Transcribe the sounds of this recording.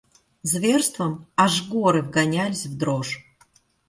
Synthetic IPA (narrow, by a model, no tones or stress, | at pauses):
zvʲerst̪vəmaʐɡuɔɾɨvɡanʲalʲɪsʲvd̪roʐ